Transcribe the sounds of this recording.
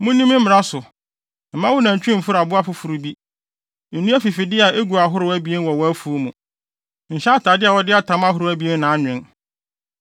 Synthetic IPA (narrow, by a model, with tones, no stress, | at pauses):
mũ˦nĩ˦mɪ̃˦m̩˦mɪ˨ɾa˦sʊ˨ | m̩˨mã˦wʊ˦nã˨ɲ˨t͡ɕᶣɪ̃˦m̩˨fʊ˦ɾa˨bʊ˦a˦fʊ˦fʊ˨ɾu˨bi˦ | n̩˨nũ˦æ˦fi˨fi˨dɪ˦a˨ʔe˦ɡu˨a˨ɦʊ˦ɾʊ˨˦æ˦bi˦e˦n˦wɔ˨wɔ˦æ˦fu˨o˦mũ˨ | ɲ̩˨ɕa˦tʰaː˨dɪ˦a˨wɔ˦dɪ˦a˦tʰã˨˦ma˦ɦʊ˨ɾʊ˨˦æ˦bi˦e˦n˦nã˨˦ɲᶣ˨ɪ̃˨n